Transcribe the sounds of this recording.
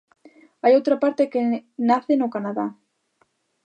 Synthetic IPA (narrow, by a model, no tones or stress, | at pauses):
ajowt̪ɾapaɾt̪ekenaθenokanaða